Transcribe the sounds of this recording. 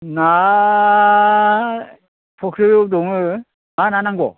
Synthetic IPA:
na | pʰɔkʰɾɯjodɔŋɯ | mananaŋɡɔ̰

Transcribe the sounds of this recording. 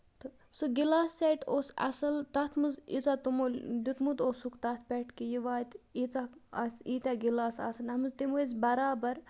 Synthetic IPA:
t̪ɨ | soɡilaːst͡seʈoːsɐ̰sɐlt̪ɐt̪ʰmɨzḭt͡saːt̪umoːlʲd̪ut̪mut̪oːsukt̪ɐt̪ʰpʲɛʈkijiʋaːt̪ʲit͡saɐsit̪ʲaɡilaːsa̰ːsɐnɐmɨzt̪imoezbɐɾaːbɐɾ

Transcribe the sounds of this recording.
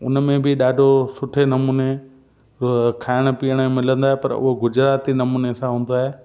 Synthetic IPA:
ʊ̰nmẽbɪɗaːɖʱosʊʈʰenɐmuːne | kʰaːɪɽ̃̆piəɽ̃mɪlə̃nd̪aːepɐɾʊ̰ɦoɡʊd͡ʑɾaːt̪inɐmuːnesãɦũːn̆d̪aːɦeː

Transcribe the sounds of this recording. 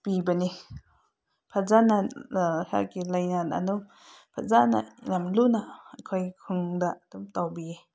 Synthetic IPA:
pibani | pʰazanaha̰kilajnana̰nɔw | pʰazana̰namlunakʰɔjkʰɯŋdaʔtumtawbie

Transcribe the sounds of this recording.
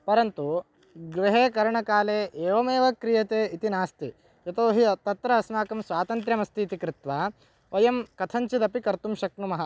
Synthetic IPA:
pɐɾɐnt̪u | ɡɾiɦeːkɐɾɐɳɐkaːleːʔeːʋɐmeːʋɐkɾijɐt̪eːit̪inaːst̪i | jɐt̪oːɦiɐt̪ɐt̪ɾɐɐsmaːkɐmsʋaːt̪ɐnt̪ɾjɐmɐst̪iːt̪ikɾɪt̪ʋaː | ʋɐjɐmkɐt̪ʰɐɲt͡ʃid̪ɐpikɐɾt̪umʃɐknumɐɦɐ

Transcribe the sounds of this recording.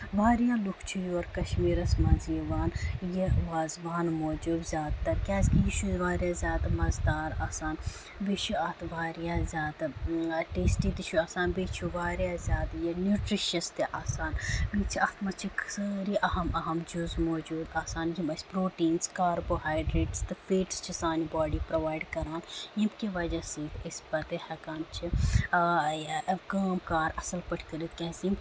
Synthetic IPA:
ʋaːɾjaːlukʰt͡ʃʰujoɾkɐʃmiːɾɐsmɐziːʋaːnjeʋaːzʋaːnmoːd͡ʒuːbzʲaːd̪t̪ɐɾkʲaːskijit͡ʃʰuzʋaːɾʲjaːzʲjaːd̪mɐzd̪aːɾaːsaːn | bit͡ʃʰuɐt̪ʰʋaːɾjaːzʲjaːd̪ʈeːsʈiːt̪it͡ʃʰuaːsaːnbiːt͡ʃʰuʋaːɾjaːzʲjaːd̪jɐnjuːʈɾiʃɐst̪eʔaːsaːnbit͡ʃʰiɐt̪ʰmɐt͡ʃʰikʰsəːɾiʔɐɦɐmɐɦɐmd͡ʒuzmoːd͡ʒuːd̪aːsaːnjimɐspɾoːʈiːnskaːɾboːɦaːjɖɾeːʈst̪ɨfʰeːʈst͡ʃʰisaːnibaːɖipɾɐʋaːiɖkɐɾaːnjimkiʋɐd͡ʒasiːt̪ʰɐspɐt̪ehɐkaːnt͡ʃʰi | jkaːmkaːɾɐsɐlpɐʈʰkɐɾit̪̚kɛ̃ːsim

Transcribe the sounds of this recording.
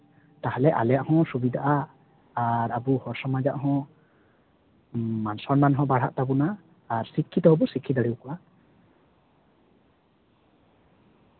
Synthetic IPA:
t̪ahalɛʔa̰lɛjaʔhɔ̃subid̪aʔaː | ɾabuhɔɾsɔmad͡ʒaʔɦɔ̃ | mansɔɾmanɦɔ̃baɽ̤a̰ʔt̪abunaː | ɾsikʰːit̪ɔɦɔbɔsikʰːid̪aɽiwkɔʔa

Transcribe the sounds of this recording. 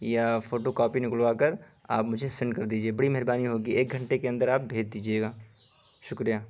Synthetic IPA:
jafoːʈokɔːpinɪklʋaːkəɾ | a̰ːpmʊd͡ʒʱesɪ̃ɳɖkɐɾd̪iːd͡ʒieːbɐɽimɛɦɾbaːniɦoːɡieːk̚ɡʱɐ̃ɳʈekeɐ̃nd̪əɾaːp̚bʱeːd͡ʒd̪iːd͡ʒieːɡaː | ʃʊkɾijaː

